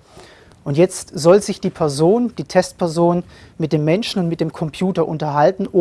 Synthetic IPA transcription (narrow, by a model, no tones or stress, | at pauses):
ʔʊntjɛt͡stz̥ɔlzɪçd̥iːpʰɛɐzoːnd̥iːtʰɛstpʰɛɐzoːnmɪt̚d̥eːmːɛnʃn̩ʊntmɪt̚d̥eːmkʰɔmpʰjuːtɐʔʊntɐɦaltn̩ʔoː